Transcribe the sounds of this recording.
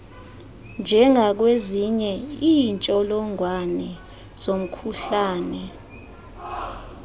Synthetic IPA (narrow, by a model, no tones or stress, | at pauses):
nd͡ʒʱɛŋʱak̬weziɲɛiːnt͡ʃʼɔlɔŋwanɛ | zom̩kʰuɬaːnɛ